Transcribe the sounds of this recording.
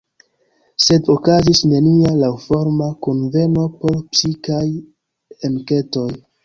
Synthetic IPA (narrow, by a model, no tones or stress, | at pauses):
se̞dokazisne̞nialawfo̞ɾmakonve̞no̞po̞ɾpsikaj | enke̞to̞j